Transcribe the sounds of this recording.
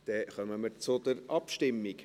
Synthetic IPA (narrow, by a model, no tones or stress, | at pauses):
d̥ɛχœməməɾt͡sʊd̪̥əɾɑpʃtɪmːiɡ